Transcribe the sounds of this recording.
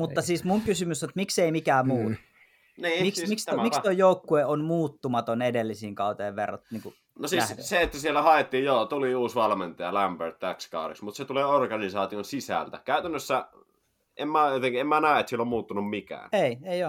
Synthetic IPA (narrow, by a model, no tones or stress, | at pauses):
mut̪ːɑsiːsmuŋkysymysonet̪mikseimikæːmuːt̪ | niːmmimikstmist̪ojjoukːueonmuːt̪ːumɑt̪onedelːisiːŋkɑˑut̪eːʋʋḛrːɑ̰t̪niːŋku | nosiːsseet̪ːæsielːæhɑet̪ːiːjjot̪uliuːsʋɑlment̪ɑɑlæmbørt̪tækskɑ̰ˑudeksmut̪set̪uleːorɡɑnisɑːt̪ionsisæ̰lt̪ækæˑyt̪ænːøsːæ | emmæjot̪eŋkiemmænæˑiet̪sielːommuːt̪ːunummikæ̰ːneieio